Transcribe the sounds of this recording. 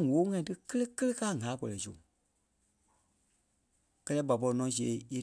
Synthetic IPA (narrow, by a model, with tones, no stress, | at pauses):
woː˨˦ŋã˦ĩ˧tɨ˦kə˦lə˦kə˦lə˦kaː˦˨ŋa˨˦kɔ˨lɛ˨so̰˨ | kɜ˧lɛː˦ɓa˨pɔ˧i˧nɔ̃˨˦s̬i˧e˨˦e˧